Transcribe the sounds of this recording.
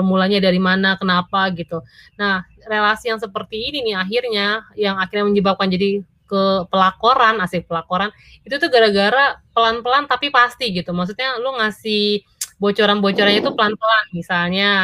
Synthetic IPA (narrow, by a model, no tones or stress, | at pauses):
mulaɲadaɾimanakənapaɡit̪unah | relasijaŋs̬əpərt̪iːniniaɦirɲajaŋakirɲaməɲd͡ʒəbap̚kand͡ʒadi | kəpəlakoɾanasɪpəlakoɾan | it̪ut̪uɡaɾaɡaɾapəlanpəlant̪apipast̪iɡit̪umaks̬ut̪̚ɲaluŋasih | bot͡ʃoɾanbot͡ʃoɾanɲait̪upəlanpəlanmisalɲa